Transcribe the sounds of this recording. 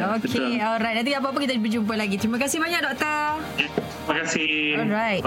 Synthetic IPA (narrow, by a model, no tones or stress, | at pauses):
okʰeɔlɾajt̚nat̪̬ĩap̬aap̬əkit̪abəd͡ʒump̬əlaɡit̪ɾimakasɪhbaɲak̚dɔk̚t̪ə | t̪ɾiməkasɪɔlɾajt